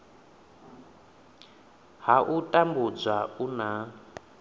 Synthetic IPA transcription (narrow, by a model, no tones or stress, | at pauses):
ɦaʔutʼambud͡zʷauna